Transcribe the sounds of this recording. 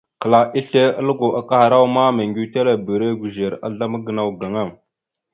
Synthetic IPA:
kə˨la˨ʔi˦ɬe˦ə̰˦lə˦ɡo˨ʔa˦ka˦ha˨ɾa˦wma˦me˨ŋɡi˨˦te˦la˨bə˨ɾe˦ɡʷu˨ʒe˨ɾa̰˦ɮa˦mə˦ɡə˨na˦˨wɡa˨ŋa˦˨m

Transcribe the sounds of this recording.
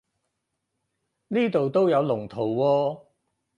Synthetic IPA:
niː˥t̪o˨wt̪o˥wjɐ˨˧wlʊ˨˩ŋt̪ʰo˨˩wːɔː˧

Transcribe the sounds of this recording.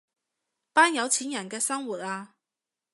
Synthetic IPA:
paː˥njɐ˨˧wt͡sʰiː˨˥njɐ˨˩nkɛː˧sɐ˥ŋwuː˨˩t̚aː˧

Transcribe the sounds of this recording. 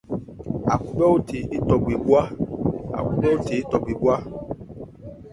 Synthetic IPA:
a̰˨ku˦ɡ͡bɛ˦o˦te˨e˦tɔ˨ɡ͡be˨ɡ͡bu˦a˦a̰˨ku˦ɡ͡bɛ˦o˦te˨˦tɔ˨ɡ͡be˨ɡ͡bu˦a˦

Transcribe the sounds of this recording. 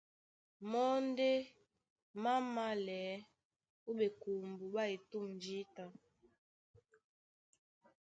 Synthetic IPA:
mɔ˦n˦de˦ | ma˦ma˦lɛː˨˦ | u˦ɓe˨ku˨mbu˨ɓa˦e˨tu˦˨mnd͡ʒi˦ta˨

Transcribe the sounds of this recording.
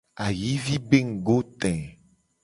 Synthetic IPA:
a˨ji˦vi˦be˦ŋ̩˨ɡo˦t̪ɛ̃˨

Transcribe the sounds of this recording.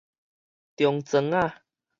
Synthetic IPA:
t̪jɔ˨ŋt͡sə˧˦ŋa˥˧˨

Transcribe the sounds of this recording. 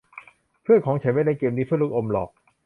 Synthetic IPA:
pʰɯ˥˩ənkʰɔː˩˦ŋt͡ɕʰa˨˦nmaː˧˥na˧keː˧mniː˦˥sʰɯ˥˨lu˥˩k̚ʔo˧mlɔ̰ː˨˩k̚

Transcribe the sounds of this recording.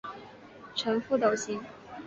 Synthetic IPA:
ʈ͡ʂʰɤ˧˥ŋfu˥˧t̪o˨˩ʊɕi˧˥ŋ

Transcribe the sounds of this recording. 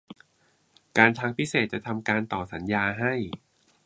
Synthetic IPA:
kaː˧nt̪ʰaː˧ŋpʰi˦˥seː˨˩t̪̚t͡ɕa˨˩t̪ʰa˧mkaː˧nt̪ɔː˨˩sa˩˦njaː˧ɦa˥˩j

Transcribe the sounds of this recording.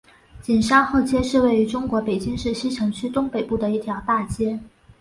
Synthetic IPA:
t͡ɕi˨˩nʂa˥ŋxɤ˥˩t͡ɕjɛ˥ʂɻ̩˥˧we˥˩ɪ˧˥ʈ͡ʂʊ˥ŋkwɔ˧˥pe˨˩ɪt͡ɕi˥ŋʂɻ̩˥˩ɕi˥ʈ͡ʂʰɤ˧˥ŋt͡ɕʰy˥t̪ʊ˥ŋpe˨˩ɪpu˥˩d̪ə˩i˥˩t̪ʰjɑ˧˥ʊt̪a˥˩t͡ɕjɛ˥

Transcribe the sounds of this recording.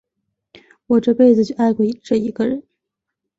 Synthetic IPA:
wɔ˨˩ʈ͡ʂɤ˥˧pe˥˧ɪd͡zɹ̩˩t͡ɕʰa˥˧ɪkwɔ˥˩˧ʈ͡ʂɤ˥˩i˧˥ɡə˧ɻə˧˥n

